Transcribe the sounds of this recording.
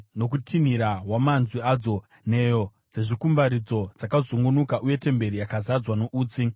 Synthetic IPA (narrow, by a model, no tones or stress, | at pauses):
no̞kutʰiniɾaɦwamanzwiad͡zo̞ | ne̞jo̞ | d͡ze̞ʐikumbaɾid͡zo̞d͡zakazuŋɡunukaʔuje̞te̞mbe̞ɾijakazad͡zwanoʔuːt͡si